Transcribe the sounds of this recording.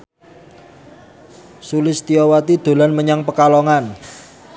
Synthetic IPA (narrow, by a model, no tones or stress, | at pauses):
sulɪst̪iowat̪id̪̥o̤lanməɲaŋpəkaloŋan